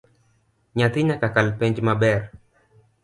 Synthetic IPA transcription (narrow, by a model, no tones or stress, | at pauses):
ɲat̪ɪɲakakalpɛɲd͡ʒmabɛɾ